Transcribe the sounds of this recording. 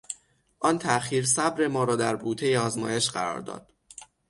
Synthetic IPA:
ʔɒːnt̪ʰæʔχiːɾsæbɾe̞mɒːɾɒːd̪æɾbuːt̪ʰe̞jeɒːzmɒːje̞ʃɢæɾɒ̰ːɾd̪ɒ̰ːd̪̥

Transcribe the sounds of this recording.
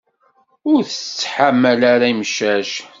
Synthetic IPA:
ʊɾθət͡sːħamːælaɾaimʃæʃ

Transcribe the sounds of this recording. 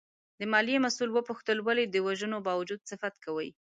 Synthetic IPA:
d̪əmɑljemasulwəpʊxt̪əlwaled̪əwaʒənobɑwad͡ʒud̪̚sɪfat̪kawəj

